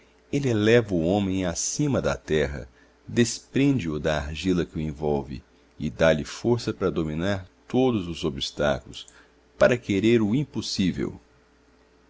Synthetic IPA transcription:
elɪlɛvɐʊõmẽj̃asĩmɐd̪ɐ̰t̪ɛɦɐ̰ | d̪espɾẽd͡ʒɪʊd̪ɐaɾʒilɐkɪʊẽvɔwvɪ̰ | ɪd̪aʎɪfoɾsɐpɾɐd̪omĩnaɾt̪od̪ʊzʊzobist̪a̰kulʊs | paɾɐkeɾeɾʊĩposivḛw

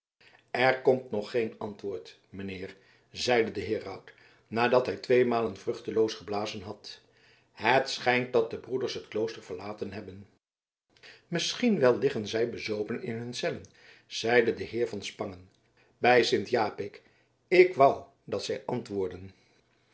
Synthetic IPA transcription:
ɛɹkɔmtnɔχːejnɑntʋʊːɹt | məneɪːɹ | zɛjdədəɦɪːrɑwt | naːdɑtɦɛjtʋejmaːlənvrɵχtəlowsχəblaːzənɦɑt | ɦətsχɛjnt̚dɑt̚dəbrudəɹsɦətklowstəɹvəɹlaːtənɦɛbən | mɪsχinʋɛlˠlɪχənzɛjbəzowpənɪ̰nɦɵnsɛlən | z̥ɛjdədəɦɪːɹvɑnspɑŋən | bɛjsɪntjaːpɪk | ɪkʋɑw | dɑtsɛjʔɑntʋʊːɹdən

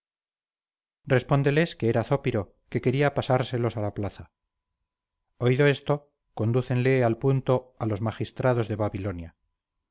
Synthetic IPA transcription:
re̞spo̞nd̪e̞le̞skeeɾaθo̞piɾo̞ | ke̞ke̞ɾiapasaɾse̞lo̞salaplaθa | o̞iðo̞e̞st̪o̞ | ko̞nd̪uθe̞nle̞alpunt̪o̞alo̞zmaχist̪ɾaðo̞zðe̞βaβilo̞nja

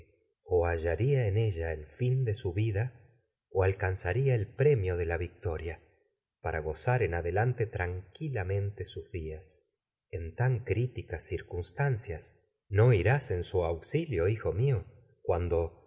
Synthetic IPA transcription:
oaʒaɾiaene̞ʒaelfind̪e̞suβiða | oalkansaɾiaelpɾe̞mjo̞ðe̞laβik̚t̪o̞ɾja | paɾʔaɣ̞o̞saɾenaðelant̪e̞t̪ɾaŋkilamẽ̞nt̪esuzðias | e̞nt̪aŋkɾit̪ikasːiɾkunst̪ansjas | no̞iɾase̞nsuawksiljo̞ixo̞mio | kwand̪o̞

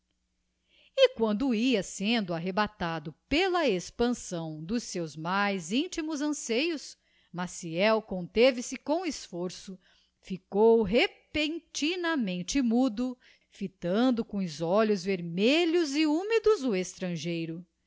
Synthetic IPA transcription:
ɪkwɐ̃nd̪ʊiɐsẽnd̪ʊaɦebat̪ad̪ʊpelɐespɐ̃sɐ̃w̃d̪ʊsewzmajzĩnt͡ʃimʊzɐ̃sejʊs | masiɛwkõnt̪evɪsɪkõw̃ɪsfoɾsʊ | fikowɦepẽnt͡ʃinɐmẽnt͡ʃɪmud̪ʊ | fit̪ɐ̃nd̪ʊkõʊzɔʎʊzveɾmeʎʊzɪumid̪ʊzʊest̪ɾɐ̃ʒejɾʊ

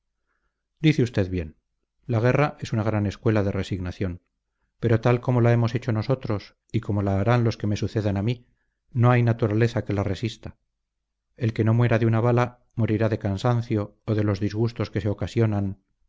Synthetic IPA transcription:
d̪iθeust̪e̞ðβje̞n | laɣ̞e̞raʔe̞sunaɣ̞ɾane̞skwe̞laðe̞re̞siɣnaθjo̞n | pe̞ɾo̞t̪alko̞mo̞lae̞mo̞se̞t͡ʃo̞no̞so̞t̪ɾo̞s | iko̞mo̞laːɾanlo̞ske̞me̞suθe̞ðanami | no̞ajnat̪uɾale̞θake̞lare̞sist̪a | e̞lke̞no̞mwe̞ɾaðeunaβala | mo̞ɾiɾaðe̞kansan̟θjo̞ːðe̞lo̞zðizɣust̪o̞ske̞seokasjo̞nan

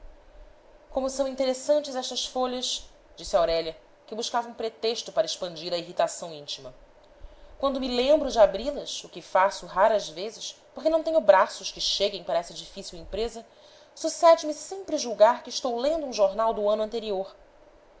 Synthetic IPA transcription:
kõmʊsɐ̃w̃ĩnt̪eɾesɐ̃nt͡ʃɪzɛʃt̪ɐsfoʎɐs | d͡ʒisɪawɾɛʎɐ | kɪbuʃkavɐũpɾet̪eʃt̪ʊpaɾɐɪʃpɐ̃nd͡ʒiɾɐiɦit̪asɐ̃w̃ĩt͡ʃimɐ | kwɐ̃nd̪ʊmɪlẽmbɾʊd͡ʒɪabɾilɐʃʊkɪfasʊɦaɾɐzvezɪspoχkenɐ̃w̃t̪ẽɲʊbɾasʊʃkɪʃeɡẽj̃paɾɐɛsɐd͡ʒifisiwẽpɾezɐ | susɛd͡ʒɪmɪsẽmpɾɪʒuwɡaɾkɪːʃt̪owlẽnd̪ʊũʒoɾnawd̪ʊɐ̃nʊɐ̃nt̪eɾioɾ

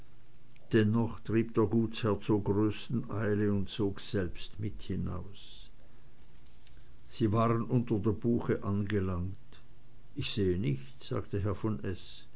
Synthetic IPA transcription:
d̥ɛnːɔχtʁ̥iːp̚d̥eːɐɡuːshɛɐt͡soːɐɡʁøːstn̩ʔaɪləʊntt͡soːkz̥ɛlpstmɪthɪna̰ʊs | z̥iːvaːʁənʔʊntɐdeːɐbuːxəʔanɡəlaŋt | ʔɪçz̥eːənɪçtz̥a̰ːktəɦɛɐfɔnʔɛs

